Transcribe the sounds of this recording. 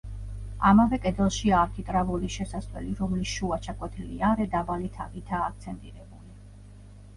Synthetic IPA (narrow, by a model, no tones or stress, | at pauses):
amavɛkʼɛd̪zɛlˠʃiaɾk̪ʰit̪ʼɾavuliʃɛsasʼvɛ̰liɾɔmlisʃuat͡ʃʰakʼwɛt̪ʰilḭaɾɛd̪abalit̪ʰaɡit̪ʰaːk̚ʰt̪sʰɛnt̪ʼiɾɛbuli